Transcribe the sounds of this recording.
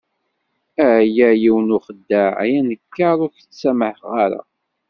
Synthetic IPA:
æjæjiwnʊχəd̪ːæʕjænəkːaɾˤʊθ | sæməħʁaɾa̰

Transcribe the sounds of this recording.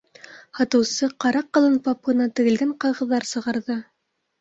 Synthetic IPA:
hɑt̪ɤ̆wsɤqɑɾɑqːɤ̆lˠɤnpɑp̚ɤ̆nɑt̪ɘ̆ɡɘ̆lɡæɴqɑjʁɤ̆ðːɑɾsɤ̆ʁɑɾðɤ

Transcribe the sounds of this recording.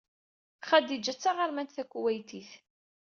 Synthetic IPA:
χæd̪id͡ʒæt͡sːaʁaɾmænt̪θækʷːwæjt̪iθ

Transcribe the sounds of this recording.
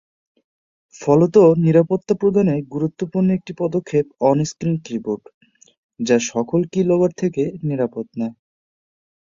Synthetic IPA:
fɔlot̪oniɾapot̪ːapɾod̪ʱaneɡuɾut̪ːopuɾnoek̚ʈipɔd̪okʰːepɔniskɾintɾipoɾʈ | d͡ʑaʃɔkolkilobaɾt̪ʰekeniɾapot̪na

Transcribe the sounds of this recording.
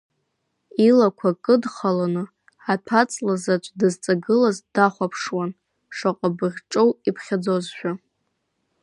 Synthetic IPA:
ilakʷʰakʼɨdχalanɨ | atʰat͡sʼlazat͡ʃʷʼdɨzt͡sʼaɡɨlazdaχʷapʰʂwan | ʂaqʼabɨrʲʈ͡ʂʼowipʰχʲad͡zozʃʷᶣa

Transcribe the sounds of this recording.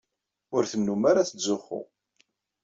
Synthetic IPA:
ʊɾθəmnumaɾaθəzːʊχːʊ̰

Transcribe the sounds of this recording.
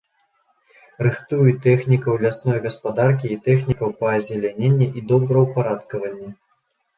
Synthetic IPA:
rɨxt̪ujut̪ɛxnʲikɐwlʲasnɔjɣɐspad̪arkʲiːt̪ɛxnʲikɐwpɐɐzʲɛlʲanʲenʲːɛʔid̪ɔbɾɐwpaɾat̪kɐvɐnʲːɛ

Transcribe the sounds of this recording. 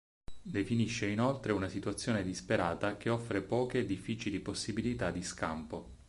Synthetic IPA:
d̪efiniʃːeinolt̪ɾeunasit̪uat̪sːjoːned̪ispeɾaːt̪ak̟eɔfːɾepɔːked̪ifːiːt͡ʃiliposːibilit̪ad̪ːiska̰mpo

